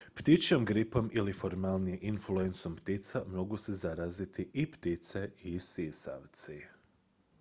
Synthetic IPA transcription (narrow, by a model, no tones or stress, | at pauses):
pt̪it͡ʃo̞mɡɾipo̞milifo̞ɾmalˠnijeʔinfluenso̞mpt̪it̪samo̞ɡusezaɾazit̪ʰiʔipt̪it̪seisisa̰ʋt̪si